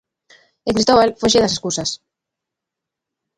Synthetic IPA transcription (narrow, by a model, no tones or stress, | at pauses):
eŋkɾist̪oβalfeʃ̬eðaseskusas